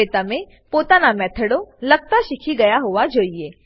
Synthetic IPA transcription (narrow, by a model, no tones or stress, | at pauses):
et̪ame | pot̪anamɛt̪ʰəɽoləɡ̚t̪aɕikʰiɡəjaɦoʋad͡ʑoːije